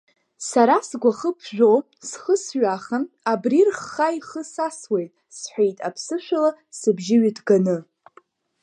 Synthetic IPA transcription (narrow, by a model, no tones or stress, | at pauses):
saɾasɡʷaχəpʰʒʷᶣo | sχəsɥaχan | abrirχːajχəsaswe̞jtʼ | sħʷᶣejtʼapʰsɨʃʷᶣalasɨbʒɪɥɪdɡanɨ